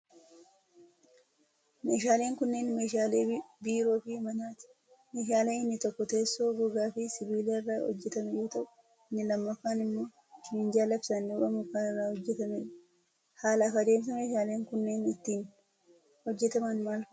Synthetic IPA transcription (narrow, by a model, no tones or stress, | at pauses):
meːʃ̬aːle̞ːŋkʊnːeːnmeʃaːleːbiːɾo̞ːfɪmɐnaːt̪ɪ̥ | meːʃ̬aːleːɪnːɪt̪ɔkːɔt̪e̞ːsːoːɡʊɡaːfɪsɪbiːleːɪrːaːhɔ̰d͡ʒːɛt̪ɐmɛjo̞ːt̪ɐʔʊ̥ | ɪnːɪlɐmːɐfaːnɪmːo̞ː | kɪnɪnd͡ʒaːlɐfsɐnːɪʊɾɐmʊkaːɪrːaːhɔd͡ʒːɛt̪ɐmeːᶑɐ | haːlɐkɐd̪e̞ːms̬ɐmeːʃaːle̞ːŋkʊnːeːnɪt̪ːiːn | hɔd͡ʒːɛt̪ɐmɐnmaːlf